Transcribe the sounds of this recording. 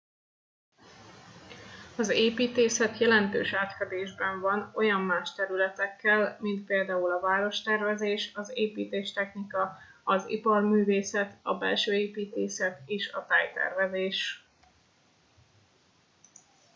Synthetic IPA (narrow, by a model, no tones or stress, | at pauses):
ɒzeːpiːt̪eːsɛt̪jɛlɛnt̪ø̰ːʃaːt̪fɛd̪eːʒbɛɱvɒno̞jɒmːaːʃt̪ɛɾylɛt̪ɛkːɛlmint̪̚peːld̪aːulɒvaːɾo̞ʃt̪ɛrvɛzeːʃɒzeːpiːt̪eːʃt̪ɛxnikɒ | ɒzḭpɒrmyːveːsɛt̪ɒbɛ̰lʃøːeːpiːt̪eːsɛt̪eːʃɒt̪aːjt̪ɛ̰rvɛzeːʃ